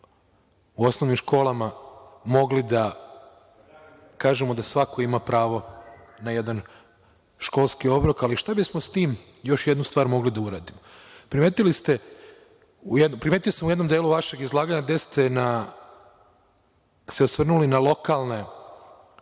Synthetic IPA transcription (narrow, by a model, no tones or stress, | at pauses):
uo̞sno̞ʋnimʃko̞ːlˠamamo̞ɡlid̪a | kaːʒemod̪asʋako̞imapɾaːʋo̞ | naje̞d̪an | ʃko̞lˠskio̞bɾokaliʃt̪abismost̪iːm | jo̞ʃjed̪nust̪ʋaːɾmo̞ɡlid̪auɾaːd̪imo | pɾimeːt̪ilist̪e̞ | ujed̪nopɾime̞ːt̪ijosamujenomd̪eluʋaʃe̞ɡizlˠaːɡaɲaɡd̪est̪e̞na | seosʋr̩nulinalˠo̞kalˠne̞